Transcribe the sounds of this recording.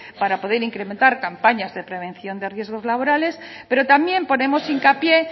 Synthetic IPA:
paɾapo̞ðe̞ɾiŋkɾe̞ment̪aɾkampaɲazðe̞pɾe̞β̞ẽ̞nθjo̞nd̪e̞rje̞zɣ̞o̞zlaβ̞o̞ɾale̞s | pe̞ɾo̞t̪amje̞mpo̞ne̞mo̞siŋkapje̞

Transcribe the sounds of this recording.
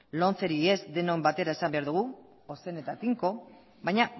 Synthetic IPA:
lo̞nt͡se̞ɾie̞zd̪e̞nombat̪e̞ɾae̞sambe̞aɾðuɣ̞u | ose̞ne̞t̪at̪iŋko̞ | βajɲa

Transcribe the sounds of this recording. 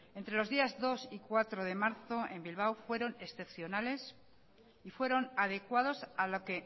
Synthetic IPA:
e̞nt̪ɾe̞lo̞zðiazðo̞sikwat̪ɾoðe̞maɾθo̞e̞mbilβ̞awfwe̞ɾo̞ne̞sθe̞pθjo̞nale̞s | ifwe̞ɾo̞naðe̞kwaðosalo̞ke̞

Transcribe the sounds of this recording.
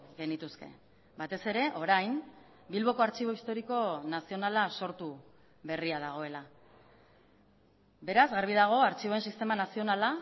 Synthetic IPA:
ɡe̞nit̪uske̞̰ | bat̪e̞se̞ɾe̞ʔo̞ɾajm | bilβo̞ko̞aɾt͡ʃiβ̞o̞ist̪o̞ɾiko̞nasio̞nalaso̞ɾt̪u | βe̞riað̞aɣ̞o̞e̞la | be̞ɾazɣaɾβ̞iðaɣ̞o̞aɾt͡ʃiβ̞o̞e̞nsist̪e̞manasio̞nala

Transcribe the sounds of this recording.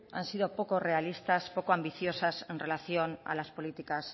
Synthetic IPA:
a̰nsið̞o̞po̞ko̞re̞alist̪aspo̞koambiθjo̞sase̞nrʔe̞laθjo̞na̰laspo̞lit̪ikas

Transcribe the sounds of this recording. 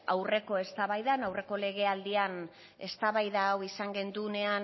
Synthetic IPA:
awre̞ko̞e̞st̪aβajðanawre̞ko̞le̞ɣ̞e̞ald̪ian | e̞st̪aβajðaːwisaŋɡe̞nd̪une̞an

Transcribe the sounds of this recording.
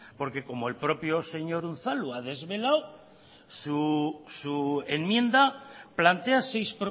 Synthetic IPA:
po̞ɾke̞ko̞moelpɾo̞pjose̞ɲo̞ɾun̟θaluað̞e̞zβe̞law | susuenmjẽ̞nd̪aplant̪easejspɾo

